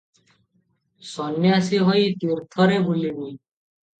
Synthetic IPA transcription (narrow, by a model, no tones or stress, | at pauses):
sɔnjasiɦɔiːt̪iɾt̪ʰɔɾebuliniː